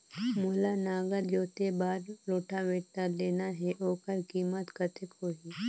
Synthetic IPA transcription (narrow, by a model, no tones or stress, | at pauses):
mʊːlanaːɡəɾd͡ʒoːt̪ebaːɾɾoːʈaʋeːʈəɾleːnaɦɛʔoːkəɾkiːmət̪kət̪ʰɪkɦoːɦiː